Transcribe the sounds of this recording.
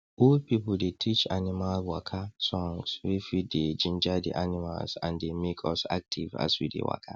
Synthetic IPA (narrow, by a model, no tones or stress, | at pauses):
ʔɔlpipldetʰit͡ʃanimalwakʰasɔ̃ŋswifided͡ʒĩnd͡ʒadḭʔanima̰lsã̰ndemekʰɔsa̰k̚tʰiva̰zwḭdḛwa̰kʰa